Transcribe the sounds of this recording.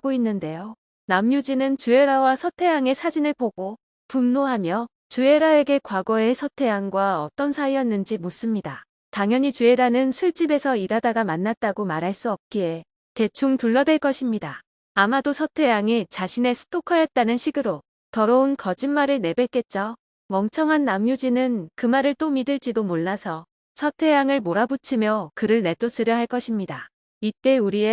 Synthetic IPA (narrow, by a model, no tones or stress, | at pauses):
ɡ̥oinːɯnde̞jo | namjud͡ʑinɯnt͡ɕue̞ɾawasʰʌtʰe̞jaŋe̞sʰad͡ʑinɯɭpoɡ̥o | punːoɦamjʌ | t͡ɕue̞ɾae̞ɡe̞kwaɡʌe̞sʰʌtʰe̞jaŋɡwaʌt͈ʌnsʰaijʌnːɯnd͡ʑimos͈ɯmɲida | taŋjʌɲit͡ɕue̞ɾanɯnsʰuɭt͡ɕ͈ibe̞sʰʌiɾadaɡamanːat̚t͈aɡomaɾɦaɭs͈uʌp̚k͈ie̞ | te̞t͡ɕʰuŋtuɭːʌdwe̞ɭk͈ʌɕʰimɲidaː | madosʰʌtʰe̞jaŋit͡ɕaɕʰine̞sʰɯ̥t͈ʰokʰʌjʌt̚t͈anɯnɕʰiɡɯɾo | tʌɾʌunkʌd͡ʑimːaɾɯɭne̞bek͈e̞t̚t͡ɕ͈ʌ | mʌŋt͡ɕʰʌŋɦanːamjud͡ʑinɯnkɯmaɾɯɭt͈omidɯɭt͡ɕ͈idomoɭːasʰʌ | sʰʌtʰe̞jaŋɯɭmoɾabut͡ɕʰimjʌkɯɾɯɭne̞t͈os͈ɯɾjʌɦaɭk͈ʌɕʰimɲida | it͈e̞uɾie